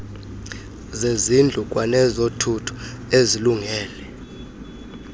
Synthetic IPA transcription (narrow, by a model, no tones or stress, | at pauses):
zezind͡ɮʱukʼwanɛzotʰutʰu̥ | eziluŋɛːlɛ